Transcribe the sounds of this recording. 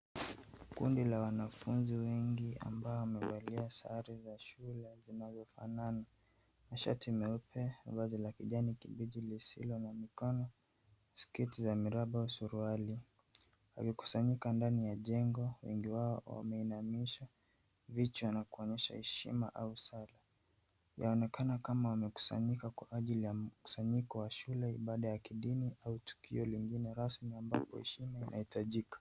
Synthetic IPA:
kṵndilawanafunziwɛŋɡia̰mbaɔwamɛvaliasa̰ɾizaʃulɛzinazɔfa̰nana | maʃa̰timɛupʰɛvazilakiʄanikiɓiʄilisḭlɔnamikɔnɔ | skitizamiɾaɓausuɾuali | wa̰kiku̥saɲikandanijaʄɛŋɡɔwɛ̰ŋɡiwaɔwa̰mɛinamiʃa | vit͡ʃuwanakuɔɲɛʃa̰hɛʃḭmaʔausala | ja̰ɔnɛkanakamawamɛku̥sa̰ɲikakwa̰ʔaʄilijamku̥saɲikɔwaʃulɛḭɓaɗajakiɗiniʔautu̥kʰḭɔliŋɡinɛɾasmiamba̰pɔhɛ̰ʃimainʔa̰hitaʄikḁ

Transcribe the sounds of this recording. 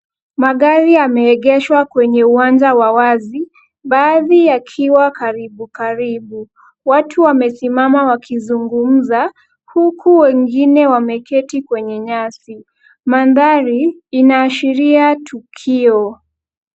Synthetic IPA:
maɠaɾiamɛːɠɛʃwakwɛɲɛuwaɲd͡ʒawawazi | ɓaːðiakʰiwakaɾiɓukaɾiɓu | watʰuwamɛsimamawakʰizuŋɡum̩za | hukʰuwɛŋɡinɛwamɛkɛtikwɛɲɛɲasi | manðaɾiinaːʃiɾiatʰukʰiɔ

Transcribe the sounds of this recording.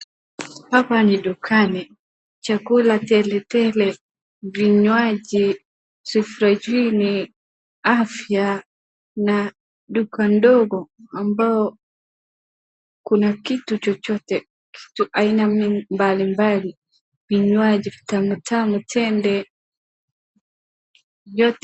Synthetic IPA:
hapanidukʰanɛ | t͡ʃakulatɛlɛtɛlɛ | viɲwad͡ʒi | sifuɾad͡ʒini | afja | na | dukandɔɡɔambaɔ | kunakitut͡ʃɔt͡ʃɔtɛ | kʰi̥tuʔainaimbalimbali | viɲwad͡ʒivi̥tamutamutʰɛndɛ | jɔt

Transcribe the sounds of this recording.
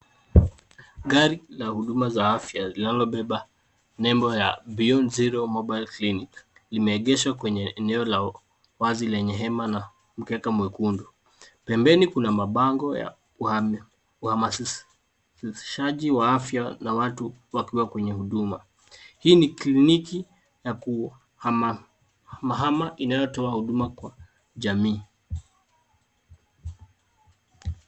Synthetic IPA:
ɠaɾilahuɗumazaafjazinalɔɓɛɓa | nɛmbɔja̰biɔnziɾɔmɔɓajlklinik | limɛːɠɛʃwakwɛɲɛːnɛɔla | wazilɛɲɛɦɛmana | m̩kɛkamwɛkundu | pɛmbɛnikunamaɓaŋɡɔja̰ | uhama | sʃaʄiwaafjanawatuwakiwakwɛɲɛhuɗuma | hiːnikliniki | jaku | ha | maɦamaʔinajɔtɔahuɗumakwa | ʄamiː

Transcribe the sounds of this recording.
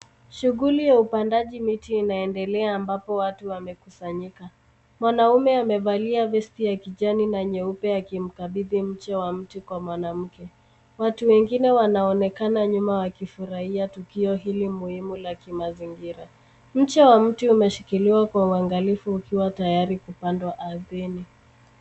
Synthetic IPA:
ʃuɣulijaupandaʄimitiːnaɛndɛlɛaːmbapɔwatuwamɛkusaɲika | mwanaumɛamɛvaliavɛstijakiʄaninaɲɛupɛakim̩kaɓiðim̩t͡ʃɛwam̩tikwamwanam̩kɛ | watuwɛŋɡinɛwanaɔnɛkanaɲumawakifuɾahiatukiɔɦilimuhimulakimaziŋɡiɾa | m̩t͡ʃɛwam̩tiumɛʃikiliwakwauaŋɡalifuːkiwatajaɾikupandwaʔaðini

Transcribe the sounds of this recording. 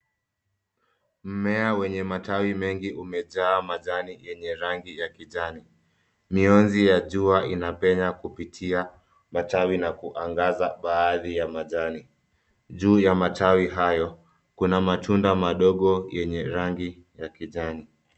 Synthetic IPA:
m̩mɛawɛɲɛmatawimɛŋɡiʔumɛʄaːmaʄanijɛɲɛɾaŋɡijakiʄani | miɔnzijaʄuaʔinapɛɲakupitʰia | matawinakuʔaŋɡazaɓaːðijamaʄani | ʄuːjamatʰawiɦajɔ | kunamatʰundamaɗɔɠɔjɛɲɛɾaŋɡi | jakiʄani

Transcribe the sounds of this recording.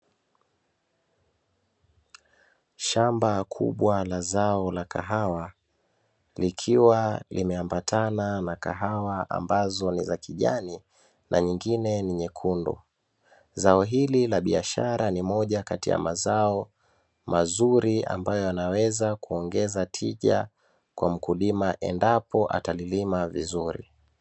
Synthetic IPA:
ʃambakʰṵɓwalazaɔlakʰaɦawa | likʰiwalimɛambatʰananaka̰ɦawaa̰mbazɔnizakiʄa̰ni | nʔaɲiŋɡinɛniɲɛkʰundṵ | zaɔɦililaɓiaʃaɾanimɔʄakatija̰mazaɔ | mazuɾia̰mbajɔanawɛzakuɔŋɡɛzatʰiʄa̰ | kwam̩kulimaʔɛ̰ndapɔʔa̰talilimavizuɾḭ

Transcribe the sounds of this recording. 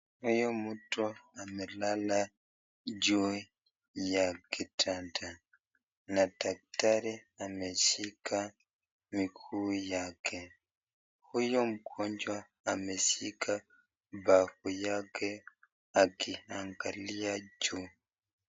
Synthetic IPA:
hɔjɔmutɔamɛlala | d͡ʒu | jakɛtʰanta | natak̚taɾɛamɛsika | mikʰujakʰɛ | hujɔmkʰɔɲd͡ʒa | amɛsika | bafujakɛ | akihaŋkalijad͡ʒu

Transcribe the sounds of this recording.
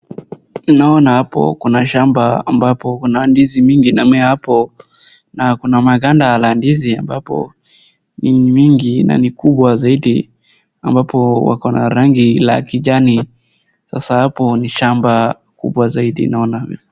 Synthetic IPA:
nnaɔnahapɔ̰kunaʃambaa̰mbapɔkunandizimiŋɡinamɛhapɔ | nakunamaɡandalandiziambapɔ̰ | nimiŋɡina̰nikuɓwazaiɗi | ambapɔwa̰kɔnaɾaŋɡila̰kiʄani | sasahapɔniʃamba | kṵɓwazaiɗḭnaɔnavḭlɛ

